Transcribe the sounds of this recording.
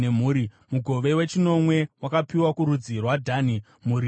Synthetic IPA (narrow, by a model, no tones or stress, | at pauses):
em̤uːɾi | muɡʱo̞ʋe̞we̞t͡ʃino̞mwe̞wakapiwakuɾud͡zirwadʱani | muːɾi